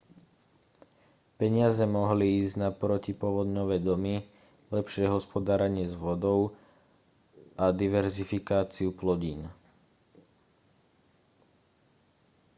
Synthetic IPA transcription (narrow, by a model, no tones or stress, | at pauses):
pɛɲɪazɛmɔɦliiːzɟnapɾɔcipʊɔʋɔd̪ɲɔʋɛːd̪ɔmi | lɛpʃɪɛɦɔspɔd̪aːɾɛɲɪɛzʋɔd̪ɔʊ | ʔad̪iʋɛɾzifikaːt͡siuplɔɟiːn